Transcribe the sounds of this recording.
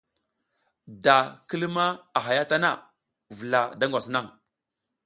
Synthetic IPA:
da˨kə˦lma˦a˨ɦa˨ja˦ta˦na˦ | və˨la˨da˦ŋɡʷa˨sna˦˨ŋ

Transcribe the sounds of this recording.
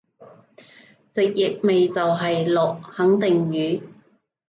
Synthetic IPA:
t͡sɪ˨k̚jɪ˨k̚me˨jt͡sɐ˨wɦɐ˨jlɔː˨k̚hɐ˨˥ŋt̪ɪ˨ŋjyː˨˥

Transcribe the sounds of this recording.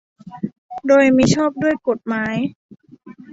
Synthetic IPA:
doː˧jmiː˧t͡ɕʰɔː˥˩p̚du˥˩əjko˨˩t̪̚maː˦˥j

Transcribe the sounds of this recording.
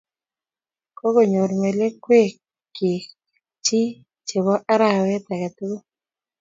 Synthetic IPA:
kɔ˦ɡo˨ɲo˨ɾme˨le˦kwe˦ | ki˨ | t͡ʃi˦ | t͡ʃe˨βɔ˦ʔa˦ɾa˨wɛ˦t̪a˨ka˨t̪ʊ˦ɡo˦

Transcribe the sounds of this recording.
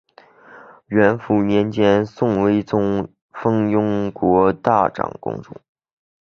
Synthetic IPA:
ɥɛ˧˥nfu˧˥njɛ˧˥nt͡ɕjɛ˥nsʊ˥˩ŋwe˥ɪt͡sʊ˥ŋ | fɤ˥ŋjʊ˥ŋkwɔ˧˥t̪a˥˩ʈ͡ʂɑ̰˨˩ŋkʊ̰˥ŋʈ͡ʂʊ̰˥˩

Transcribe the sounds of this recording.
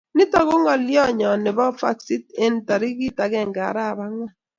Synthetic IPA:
nɪ˦tɔ˦˨ɣo˦ŋɔ˨ljɔ˦˨ɲɔ˨nɪ˨bɔ˦fa̰˦˨ksi˦te˦n˨ta˨ɾi˦ɡi˦ta˨ɡɛ˦˨ŋɡa̰˨ɾa˦˨ba˦ŋɔ˦

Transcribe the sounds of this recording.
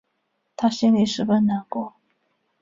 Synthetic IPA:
t̪ʰa˥ɕɛ˥nli˧˩ʂɻ̩˧˥˩fə˥nna˨˧˥nkwɔ˥˦

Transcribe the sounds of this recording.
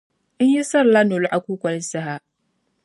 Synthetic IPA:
ʔɪ˦ɲji˦sɐ˦rla˦no˨lʊ˦ʔa˨kʷuː˦kʷɐ˨lsa˦ɦa˨

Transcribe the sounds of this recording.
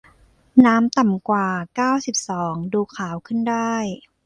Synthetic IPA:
naː˦˥mt̪a˨˩mkwaː˨˩kaː˥˩wsi˨˩p̚sɔː˩˦ŋduː˧kʰaː˩˦wkʰɯ˥˩ndaː˥˩j

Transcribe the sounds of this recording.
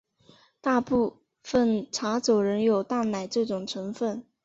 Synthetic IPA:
t̪a˥˧pu˥˧ | fə˥˩nʈ͡ʂʰa˧˥t͡so˨˩ʊɻə˧˥njo˨˩ʊt̪a˥˩nna˨˩ɪʈ͡ʂɤ˥˩ʈ͡ʂʊ˨˩ŋʈ͡ʂʰɤ˧˥ŋfə˥˩n

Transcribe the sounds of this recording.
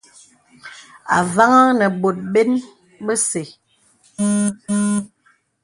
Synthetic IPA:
a̰˨va˦ŋa˦nə˨ɓo˨t̚ɓe˦n | bə˦se˨˦

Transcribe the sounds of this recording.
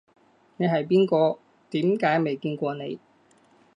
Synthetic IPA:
ne˨˧jɦɐ˨jp̬iː˥nkɔː˧ | t̪iː˨˥mkaː˨˥jme˨jkiː˧nkʷɔː˧ne˨˧j

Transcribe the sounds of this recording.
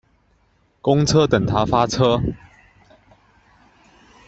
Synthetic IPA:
kʊ˦ŋt͡sʰə˦t̪ə˨˩ŋt̪ʰa˦fa˦t͡sʰɤ˥

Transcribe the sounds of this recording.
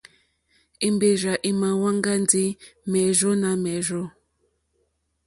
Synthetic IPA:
i˨mbe˨ʒa˨ʔi˨ma˨wa˦ŋɡa˦nd͡zi˦mɛ˨ʒɔ˦na˨mɛ˨ʒɔ˦

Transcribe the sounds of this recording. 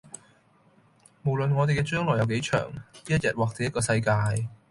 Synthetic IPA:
mo˨˩wlə˨nŋɔː˨˧t̪e˨jkɛː˧t͡ʃœː˥ŋlɔː˨˩jɐ˨˧wke˨˥jt͡ʃʰœ̰ː˨˩ŋniː˥jɐ˥t̚jɐ˨t̚waː˨k̚t͡seː˨˧jɐ˥t̚kɔː˧sɐ˧jkaː˧j

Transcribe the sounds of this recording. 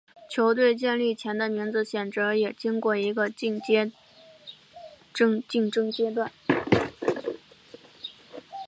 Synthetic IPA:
t͡ɕʰjo˧˥ʊt̪we˥˧ɪt͡ɕjɛ˥˧nli˥˩t͡ɕʰjɛ˧˥nd̪ə˧mi˧˥ŋd͡zɹ̩˧ɕjɛ˨˩nt͡sɤ˧˥jɛ˨˩t͡ɕi˥ŋkwɔ˥˩i˧˥ɡə˧˥˧ | t͡ɕi˥˩ŋʈ͡ʂɤ˥ŋt͡ɕjɛ˥t̪̬wa˥˩n

